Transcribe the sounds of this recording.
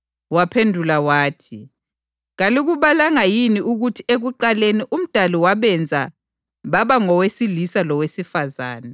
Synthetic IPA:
wapʰendʱulawaːtʰi | ɣaliɣuβalaŋajiniʔuɣutʰi̥eɣuǃaleniʔum̩d̥ʱaliwaβɛnd͡zʱa | βaβaŋɔwesilisalɔwesifazaːna

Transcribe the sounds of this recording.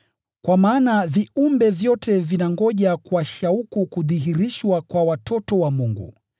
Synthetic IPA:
kwamaːnaviumbɛvjɔtɛvinaŋɡɔʄakuwaʃaukukuðiɦiɾiʃwakwawatʰɔtɔwamuŋɡṵ

